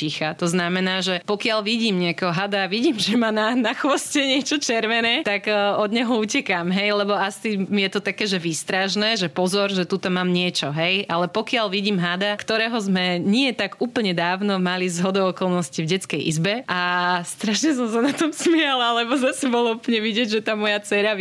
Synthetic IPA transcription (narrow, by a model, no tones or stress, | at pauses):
ixat̪ɔznamɛnaːʒɛpɔkɪaʎʋiɟiːmɲɪakɛɦɔɦad̪aʋiɟiːmʒɛmaːnanaxʋɔscɛɲɪɛt͡ʃɔt͡ʃɛɾʋɛnɛːt̪aɡɔd̪ɲɛɦɔuːcɛkaːmɦɛjlɛbɔasimijɛt̪ɔt̪akɛːʒɛʋiːst̪ɾaʃnɛːʒɛpɔzɔɾʒɛt̪ut̪ɔmaːmɲɪɛt͡ʃɔɦɛjʔalɛpɔkɪalʋiɟiːmɦad̪akt̪ɔɾɛːɦɔzmɛɲɪɛt̪aɡuːpl̩ɲɛd̪aːʊnɔmalizɦɔd̪ɔɔkɔlnɔscivɟɛt͡skɛjʔḭzbɛʔast̪ɾaʃɲɛs̬ɔms̬anat̪ɔmsmɪɛlalɛbɔzasɛbɔlˠuplɲɛʋiɟɛɟʒɛt̪aːmɔjat͡sɛɾa